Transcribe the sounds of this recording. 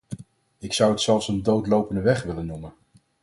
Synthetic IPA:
ɪksʌwətsɛlˠfsəndowtlowpəndəʋɛχʋɪlənːumən

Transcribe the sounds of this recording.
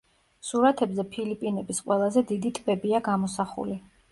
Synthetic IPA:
suɾat̪ʰɛbzɛpʰilipʼinɛbisqʼwɛlˠazɛd̪id̪it̪ʼbɛbiaɡamɔsaχṵli

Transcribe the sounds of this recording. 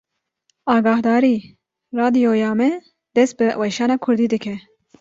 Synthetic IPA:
ɑːɡɑːhd̪ɑːɾiː | rɑːd̪ijojɑːmɛ | d̪ɛst̪̚bɨwɛʃɑːnɑːkʰʊɾd̪iːd̪ɨkʰɛ

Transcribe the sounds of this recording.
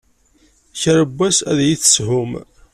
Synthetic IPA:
çəɾəbːæsæ̰ðjiθə̥sɦʊm

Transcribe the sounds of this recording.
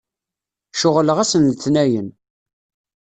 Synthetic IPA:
ʃʊʁləʁæsənlt̪næjən

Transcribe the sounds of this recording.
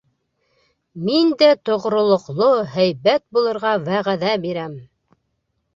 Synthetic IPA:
mind̪æt̪ŏʁɾŏlˠŏqlˠohæjβæt̪̚bulˠɤ̆ɾʁɑwæʁæðæbiɾæm

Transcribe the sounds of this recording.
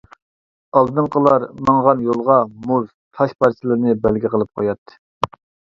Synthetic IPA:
ɑlˠd̪ɨŋqəlˠɑɾmɑŋʁɑnjolˠʁɑmuɾ | t̪ʰɑʃpɑɾt͡ʃʰɪlˠɨɾnɨbælɡʲiqʰəlˠɨp̚qʰojɑt̪ʰːɨ̥

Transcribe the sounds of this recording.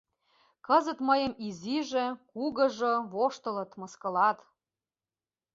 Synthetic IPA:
kɤzə̆t̪məjə̆miziʒĕkuɣɤ̆ʒɤβoʃt̪ɤ̆lɤ̆t̪mɤ̆skɤ̆lɑt̪

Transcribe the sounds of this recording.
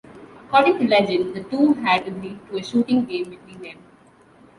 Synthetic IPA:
əkɔːɖɪ̃ŋʈulɛd͡ʒə̃nd̪əʈuːɦæɖəɡliɖ̚ʈueʃuːʈɪ̃ŋɡẽːmbɪʈwĩːnd̪ɛ̃m

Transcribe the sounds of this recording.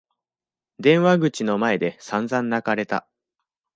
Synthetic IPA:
d̪ẽ̞ɰ̃βaɡɯ̟t͡ɕino̞mae̞d̪e̞sãnzãnːakaɾe̞t̪a̰

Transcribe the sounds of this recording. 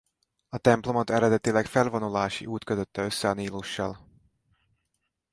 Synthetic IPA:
ɒt̪ɛmplo̞mɒt̪ɛɾɛd̪ɛt̪ilɛkfɛlvonolaːʃḭʔuːt̪kø̞t̪øt̪ːɛø̞sːɛɒniːloːʃːɒl

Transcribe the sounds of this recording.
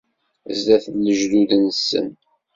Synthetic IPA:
zðæθnːəʒluðənsə̰n

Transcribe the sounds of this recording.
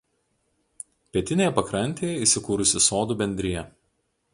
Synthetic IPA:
pʲiɛt̪ʲɪnʲeːjɛpɐkɾɐnʲˑt̪ʲeːjɛiːˑsʲɪkuːɾʊsʲɪsoːd̪uːbʲɛnʲd̪ʲɾʲɪjɛ

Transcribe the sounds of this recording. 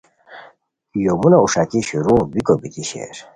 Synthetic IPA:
jomunauʂakiɕuɾubikobit̪iɕḛɾ

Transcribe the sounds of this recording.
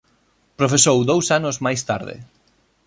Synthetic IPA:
pɾofesowðowsanozmajst̪aɾðḛ

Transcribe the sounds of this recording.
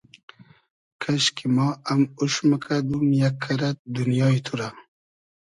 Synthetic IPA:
kʰaʃkimaamuʃməkʰad̪umjakʰːaɾat̪̚d̪unjɑːit̪ʰuɾa

